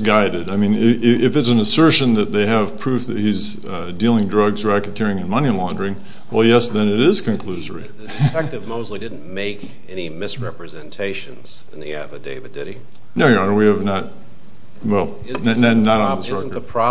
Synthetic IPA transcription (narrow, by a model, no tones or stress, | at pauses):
ɡaɪɾɨdaɪmĩnɪɪɪfɨtsn̩əsɜ˞ʃɨ̃nðɨt̪̚ðeɪɨv̥pʰɹ̥ʉfðɨt̚hiz | dilˠɪ̃ŋdɹʌɡzɹækɨt̚kʰɪɹɪ̃ŋɨ̃nmʌnilɑ̃ndə˞ɪ̃ŋ | wɛlˠjɛsðɨ̃nɨɾɪz̥kʰɨ̃nkʰl̥ʉzə˞i | ɛtɨvmoʊzlidɪdⁿn̩meɪk | ɛnimɪsɹɛpɹɨzɛ̃ntʰeɪʃɨ̃nz̥ | ɪ̃nðḭæ̰vɨdeɪvɨdɪɾi | noʊwiɨvnət̚ | wɛlˠ | nnɨnəɾn̩ðɪsɹɛkə̥˞pʰɹ̥ɑ